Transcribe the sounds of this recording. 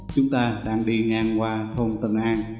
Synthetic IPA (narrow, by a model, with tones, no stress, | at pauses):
t͡ɕʊ˨˦ŋ͡mt̪aː˧ɗaː˧ŋɗi˧ŋaː˧nkwaː˧t̪ʰo˧mt̪i˨˩nʔaː˧n